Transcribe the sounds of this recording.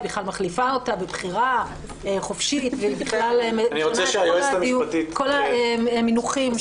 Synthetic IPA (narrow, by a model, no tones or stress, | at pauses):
biχlalmaχlifao̞tabebχiʁa | eχofʃit̪vebiχlalmeniʁot͡seʃeajoesamjuatitko̞laeminuχim